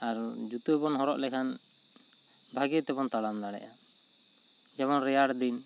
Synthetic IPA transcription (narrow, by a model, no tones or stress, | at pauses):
aɾd͡ʒut̪ubɔnɦɔɾɔʔlɛkʰan | bʱaɡit̪ɛbɔnt̪alamd̪aɽɛ̰ʔa | d͡ʒɛβɔnɾɛjaɽd̪in